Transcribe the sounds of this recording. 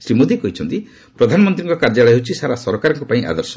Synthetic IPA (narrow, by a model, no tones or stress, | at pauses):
sɾimod̪ikɔɦit͡ʃʰɔnt̪i | pɾɔd̪ʱanɔmɔnt̪ɾiŋkɔkaɾd͡ʒaɭɔjɦet͡ʃʰisaɾasɔɾɔkaɾɔŋkɔpaĩʔa̰d̪ɔɾsɔ